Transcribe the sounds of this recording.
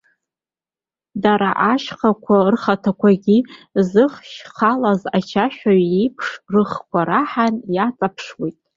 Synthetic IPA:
daɾaʔaʃχakʷʰarχatʰakʷʰaɡʲizɨχʃχalazat͡ʃʰaʃʷᶣaɥipʰʂrɨχkʷʰaɾaħanjat͡sʼapʰʂwejtʼ

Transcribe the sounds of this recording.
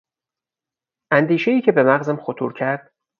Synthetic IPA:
ʔænd̪iːʃe̞jiːcʰe̞be̞mæɣzæmxot̪ʰṵːɾcʰæɾd̪̥

